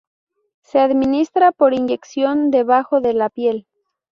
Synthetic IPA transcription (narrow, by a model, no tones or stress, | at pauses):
se̞aðmĩnist̪ɾapo̞ɾind͡ʒe̞ksjo̞nd̪e̞βaxo̞ðe̞lapje̞l